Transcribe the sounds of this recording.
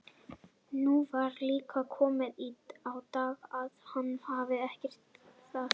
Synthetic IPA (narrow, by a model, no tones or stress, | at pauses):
nuvaɾliːkʰakʰɔːmɪðiːt̪awt̪aːɣaðhanːhavɪɛhcɛr̥t̪θa